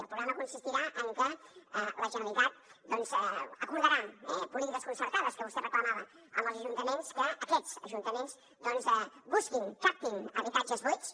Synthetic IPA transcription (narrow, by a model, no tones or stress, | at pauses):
əlˠpɾuɣɾaməkunsist̪iɾaʔəŋkələʒamnik̪at̪̚d̪ɔnzəkuɾðəɾanpulit̪ikəskunsəɾt̪aðəskəβust̪epət̪amalə | a̰mbəlˠzəʒunt̪əmẽnskəʔəket̪səʒunt̪əmẽns | d̪ɔnzbuskiŋt̪ɾak̚t̪iŋəβit̪ad͡ʒəzβu